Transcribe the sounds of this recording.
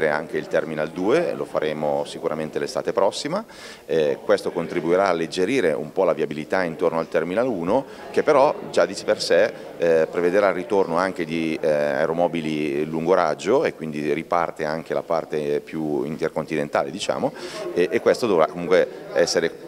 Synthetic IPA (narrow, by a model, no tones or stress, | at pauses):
ɾea̰ŋk̟eilt̪ɛrmineald̪uːelo̰faɾʔeːmosikuɾament̪elest̪a̰ːt̪epɾɔsːima | kwest̪okont̪ɾibuiɾaːlːed͡ʒːeɾiːɾeʔṵmpɔlaviabilit̪aint̪ornoalt̪ɛrminaluːno | k̟epːeɾɔd͡ʒad̪it͡ʃepersɛ | pɾeved̪eɾarːit̪ornoaŋk̟ed̪ia̰eɾomɔːbililuŋɡoɾad͡ʒːoekːwind̪iripa̰rt̪eaŋk̟ela̰pa̰rt̪epjuḭnt̪erkont̪inent̪a̰ːled̪it͡ʃa̰ːmoʔekːwest̪od̪ovɾakːomuŋkweɛsːeɾe